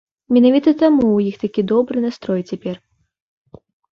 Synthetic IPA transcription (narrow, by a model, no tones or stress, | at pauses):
mʲɛnavʲit̪ɐt̪amuwjixt̪akʲid̪ɔbɾɨnast̪ɾɔjt͡sʲapʲɛr